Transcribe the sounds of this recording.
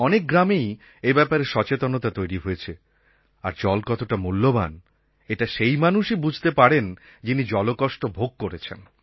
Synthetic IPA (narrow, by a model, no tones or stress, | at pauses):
ɔnek̚ɡɾamej | ebɛpaɾeɾʃɔt͡ɕet̪onot̪at̪ojɾiɦojet͡ɕʰe | a̰ɾd͡ʑɔlkɔt̪oʈamulːoba̰n | eʈaʃejmanuʃibud͡ʑʱt̪epaɽen | d͡ʑinid͡ʑɔlokɔʃʈobʱoɡ̚koɾet͡ɕʰḛn